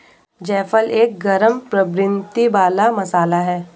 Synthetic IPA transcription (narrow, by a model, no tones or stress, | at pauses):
d͡ʒɛːfəleːk̚ɡɐɾəmpɾəbɾɪnt̪ibaːlamɐsaːlaɦɛː